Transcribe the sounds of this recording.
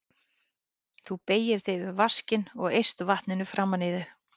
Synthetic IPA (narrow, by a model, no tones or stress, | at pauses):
θupeːjɪɾ̥θɪjvɪvascɪnɔɣejst̪vaht̪nɪnʏfɾamːanɪːðʏ